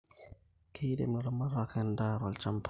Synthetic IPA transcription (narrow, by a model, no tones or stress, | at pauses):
kʰɛjdɛ̰mɾamaɾakɛndaɾalt͡ʃampʰ